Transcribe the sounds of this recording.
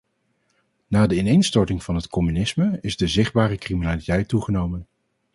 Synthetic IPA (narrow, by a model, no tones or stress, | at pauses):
naːdəɪnejnstɔɹtɪŋv̥ɑnɦətkɔmynɪsməɪzdəzɪχd̚baːrəkriminaːlitɛjtːuχənowmən